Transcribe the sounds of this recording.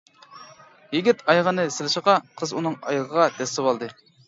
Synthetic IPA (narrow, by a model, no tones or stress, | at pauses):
jiɡʲit̪ʰɑjʁənɨsɪlɪʃəʁɑqʰəzunɨŋɑ̰jʁəʁɑd̪ɛst̪ɪwɑlˠd̪ɨ